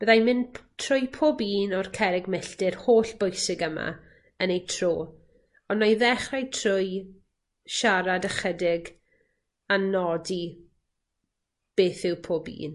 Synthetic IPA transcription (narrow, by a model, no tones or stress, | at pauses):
b̥əðajmɪntʰrʊjpʰoːbiːnɔrkʰɛɾɪɡmɪɬtɪrhoːɬb̥ʊjsɪɡəma̰ | ənejtʰroː | ɔnajðɛχrajtʰrʊj | ʃaɾadəχədɪɡ | anɔdi | b̥eːθɪwpʰoːbḭːn